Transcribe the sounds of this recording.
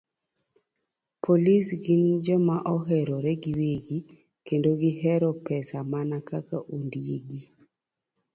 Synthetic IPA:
pʰolisɡɪnd͡ʒɔmaʔɔɦɛɾɔɾɛɡiweɡi | kendoɡɪɦɛɾɔpɛsamanakakaʔundiḛɡi

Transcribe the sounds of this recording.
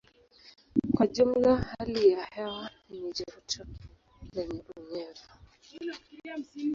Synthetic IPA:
kwaʄum̩lahalijahɛwa | nid͡ʒaɾutʰa | lɛɲɛɗuŋɛva

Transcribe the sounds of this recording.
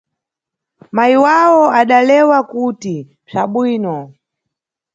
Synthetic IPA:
maiwawɔaɗalɛwakuti | b͡ʐaɓwiːnɔ

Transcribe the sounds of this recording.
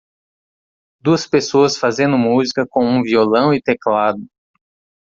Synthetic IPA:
d̪uɐspesoɐsfazẽnd̪ʊmuzikɐkõw̃ũviolɐ̃w̃ɪt̪eklad̪ʊ

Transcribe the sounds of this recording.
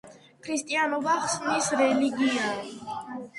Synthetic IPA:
kʰɾist̪ʼianɔbaχsnisɾɛliɡia

